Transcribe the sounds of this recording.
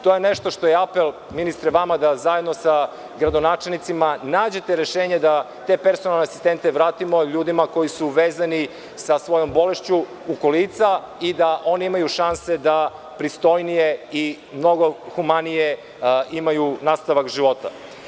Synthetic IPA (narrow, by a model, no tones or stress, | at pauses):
t̪o̞jeneʃt̪o̞ʃt̪o̞jeapel | minist̪ɾɛʋamad̪azajed̪no̞sa | ɡɾad̪o̞naːt͡ʃelˠnit̪simanaːd͡ʑe̞t̪eɾeʃeːɲed̪a | t̪e̞pe̞ɾsonalˠneasist̪ent̪eʋɾaːt̪imoʎuːd̪imako̞jisuʋeːzani | sasʋo̞jo̞mbo̞le̞ʃt͡ɕuː | kolit̪sa | id̪aʔo̞niimajuʃansed̪a | pɾist̪o̞jnijei | mno̞ɡoxumanije | imajunaːst̪aʋakʒiʋo̞t̪a̰